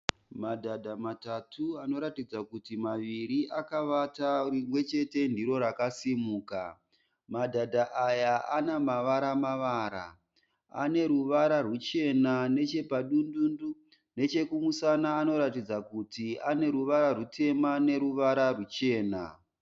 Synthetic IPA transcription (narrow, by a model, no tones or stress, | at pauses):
madʱadʱamatatʰuano̞ɾatid͡zakutimaʋiɾiʔakaʋataimwe̞t͡ʃe̞te̞ndiɾo̞ɾakasimuːka | madʱadʱaʔajaanamaʋaɾamaʋaːɾa̰ | a̰ne̞ɾuʋaɾarwut͡ʃe̞nane̞t͡ʃe̞paɗundundu | ne̞t͡ʃe̞kumusanaːno̞ɾatid͡zakutiane̞ɾuʋaɾarute̞mane̞ɾuʋaɾarut͡ʃe̞ːna̰